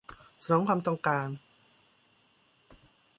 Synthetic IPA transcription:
sa˧˩ɔ˨˦ŋkʰwaː˧mt̪ɔ˥˧ŋkaː˧n

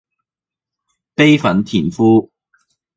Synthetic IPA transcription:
pe˥jfɐ˨˥nt̪ʰiː˨˩nfuː˥

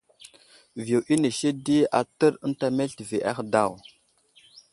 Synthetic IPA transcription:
vi˨ʔi˦ne˨ʃe˦di˦a˨tə˦ɾə˦n˦ta˦me˦ɬti˨ve˨ʔa̰˦xda˦˨w

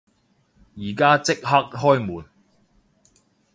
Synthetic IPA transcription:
jiː˨˩kaː˥t͡sɪ˥k̚ɦɐ˥k̚ɦɔː˥jmuː˨˩n

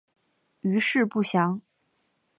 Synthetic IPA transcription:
y˧˥ʂɻ̩˥˧pu˥˩ɕjɑ˧˥ŋ

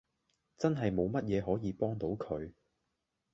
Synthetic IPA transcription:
t͡sɐ˥nɦɐ˨jmo˨˧wmɐ˥t̚jɛː˨˧ɦɔː˨˥jiː˨˧pɔː˥ŋt̪o˨˥wkʰɵ˨˧ɥ

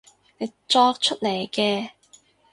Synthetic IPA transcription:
ne˨˧jt͡sɔː˧k̚t͡ʃʰɵ˥t̚le˨˩jkɛː˧

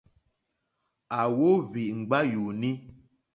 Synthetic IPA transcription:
a˨wo˦vi˨ʔŋ̩˨ɡ͡ba˦ju˨ni˦

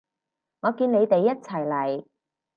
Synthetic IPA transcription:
ŋɔː˨˧kiː˧ne˨˧jt̪e˨jːɐ˥t̚t͡sʰɐ˨˩jlɐ˨˩j

